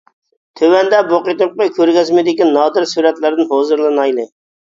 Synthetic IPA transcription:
t̪ʰøwɛnd̪ɛboqet̪ɨp̚qɑkʲʰøɾɡʲɛzmɪd̪ɪkʲinɑːd̪ɪɾsuɾɛt̪lɪɾd̪ɪnhozɨɾlˠɨnɑjlˠɨ

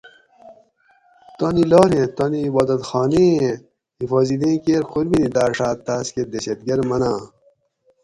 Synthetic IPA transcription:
t̪oːniloːɾẽt̪oniːbaːd̪ɐt̪xaːne | ifoːzid̪ẽːkeːɾxuɾbinid̪aːɾʂaːt̪ːaːskeɾd̪ɐɕɐt̪ɡɐɾmɐnaː

